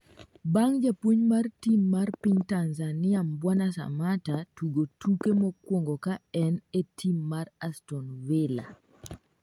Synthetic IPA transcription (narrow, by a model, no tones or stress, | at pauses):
baŋd͡ʒapwuɲmartimːarpiɲtanzanɪambwanasa̰matatuɡotʰukemokwoŋɡokaɛnetʰimːarastɔnvɪla